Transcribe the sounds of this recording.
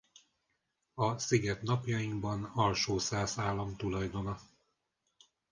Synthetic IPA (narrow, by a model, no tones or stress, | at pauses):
ɒsiɡɛt̪nɒpjɒjiŋɡbɒnɒlʃoːsaːzaːlːɒmt̪ulɒjd̪o̞nɒ